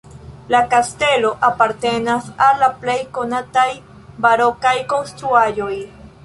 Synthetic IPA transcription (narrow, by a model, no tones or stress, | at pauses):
lakaste̞lo̞ʔapaɾte̞nasalːaple̞jko̞nataj | baɾo̞kajko̞nst̪ɾuaʒo̞j